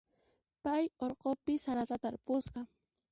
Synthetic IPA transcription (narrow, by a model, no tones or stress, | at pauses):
pajoɾqopɪsaɾat̪at̪aɾpʊsqɑ